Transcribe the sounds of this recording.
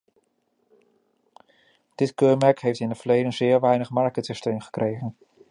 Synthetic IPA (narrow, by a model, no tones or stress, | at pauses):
d̥ɪtkøːmɛɹkɦejftɪnətvəɹlejdənzɪːɹʋɛjnəχmɑɹkətsɪstejmχə̥krʔejχən